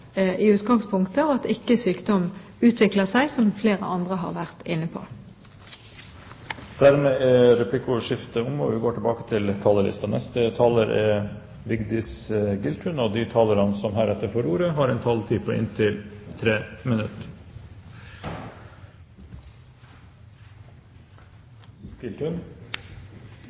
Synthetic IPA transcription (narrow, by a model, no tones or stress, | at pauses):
ʔɪʉːt̪ɡɑŋspʰʊŋkt̪əɔɑt̪ɪkːəsyːkd̪ɔm | ʉːt̪ʰʋɪkləsæɪsɔmfleːʁəɑnd̪ʁəɦɑ̰ʁʋæʁt̪ɪnːəpʰo̰ː | d̪̥æɾmeːɛɾɛpʰlɪkʊʂɪft̪əʊŋd̪ɔʋɪɡoːʈʰɪlbɑːkə̥t̪ʰɪlt̪ʰɑːləlɪ̰st̪ɑnɛ̰st̪ət̪ʰɑːləɾʔɛ | bɪɡd̪ɪsɡɪlt̪ʰʉːnoːd̪it̪ʰɑːləɾɑnəsɔmɦæːɾɛt̪ːəɾfɔɾuːɾəɦɑːɾɛɪnt̪ʰɑlt̪ʰiːpʰɔʔɪ̰nt̪ʰɪlt̪ʰɾeːmɪnʉt̪ | ɡ̥ɪlt̪ʉn